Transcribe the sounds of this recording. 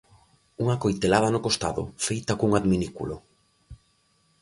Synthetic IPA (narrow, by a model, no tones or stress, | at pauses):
uŋakojt̪elað̞ɐnokost̪a̰ðʊ̰fejt̪akuŋaðminikṵlo